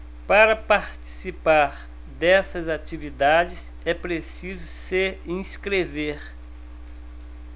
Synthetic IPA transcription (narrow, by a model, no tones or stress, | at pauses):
paɾɐpaɾt͡ʃi̥sipaɾ | d̪ɛsɐzat͡ʃivid̪ad͡ʒɪs | ɛpɾesizʊseĩskɾeveɾ